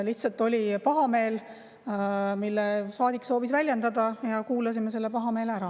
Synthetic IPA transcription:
liht̪sɑlt̪ːˑo̞lʲipɑɦɑme̞ːl | milːesɑːd̪ikso̞ːvisvælʲjend̪ɑd̪̥ɑjɑkuːlɑsime̞se̞lːe̞pɑɦɑme̞ːlæɾɑ

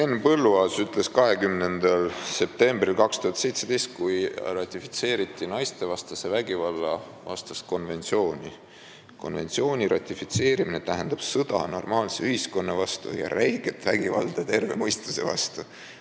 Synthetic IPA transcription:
enːpɤlːuɑsyt̪ˑle̞skɑɦe̞kymne̞nd̪ɑlse̞p̚t̪e̞mbrilkɑkst̪uhɑt̪se̞jt̪se̞d̪ejst̪̚kujrɑt̪ʲːˑifi̥t̪se̞ːɾit̪ːˑinɑjst̪e̞vɑst̪ɑse̞væɡivɑlːɑ | vɑ̰st̪ɑst̪̚ko̞nve̞nt̪sio̞ːnʲi | ko̞̰nve̞̰nt̪sio̞ːnʲirɑt̪ʲːˑifit̪se̞ːɾimine̞t̪æɦend̪̥ɑb̥sɤd̪̥ɑ̰no̞̰rmɑːlseyhisko̞nːɑvɑst̪ṵjɑ̰ɾæjɡ̥et̪ːvæɡ̥ivɑ̰ld̪̥ɑt̪e̞rve̞mɤjst̪use̞vɑ̰st̪u

